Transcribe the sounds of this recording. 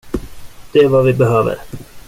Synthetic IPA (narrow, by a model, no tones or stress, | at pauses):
d̪̥ɛɛvavɪbɛɦøːvə̰ɾ